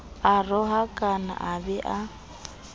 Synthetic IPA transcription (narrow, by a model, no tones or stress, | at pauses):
arɔɦakʼana̰ʔabɛʔa